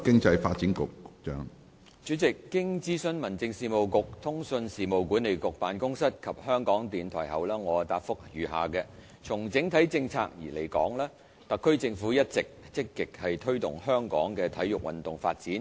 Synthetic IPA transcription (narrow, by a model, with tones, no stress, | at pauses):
kɪ˥ŋt͡sɐ˧jfaː˧t̚t͡siː˨˥nkʊ˨kːʊ˨k̚t͡ʃœː˧˥ŋ | t͡ʃyː˨˥t͡sɪ˨kːɪ˥ŋt͡siː˥sɵ˥nmɐ˨˩nt͡sɪ˧ŋsiː˨˧mo˨wkʊ˨k̚t̪ʰʊ˥ŋsɵ˧nsiː˨mo˨wkuː˨˥nːe˨jkʊ˨k̚paː˨nkʊ˥ŋsɐ˥t̚kʰɐ˨p̚hœː˥ŋkɔː˨˥ŋt̪iː˨nt̪ʰɔ̰ː˨˩jɦɐ̰˨wlɛː˥ŋɔː˨˧t̪aː˧t̚fʊ˥k̚jyː˨ɦa̰ː˨kɛː˧ | t͡sʰʊ˨˩ŋt͡sɪ˨˥ŋt̪ʰɐ˨˥jt͡sɪ˧ŋt͡sʰa̰ː˧k̚jiː˨˩le˨˩jkɔ̰ː˨˥ŋlɛː˥ | t̪ɐ˨kʰːɵ˥ɥt͡sɪ˧ŋfuː˨˥jɐ˥t̚t͡sɪ˨k̚t͡sɪ˥kːɪ˨k̚hɐ˨jt̪ʰɵ˥ɥt̪ʊ˨˩ŋhœː˥ŋkɔ̰ː˨˥ŋkɛː˧t̪ʰɐ˨˥jʊ˨k̚wɐ̰˨nt̪ʊ˨ŋfa̰ː˧t̚t͡siː˨˥n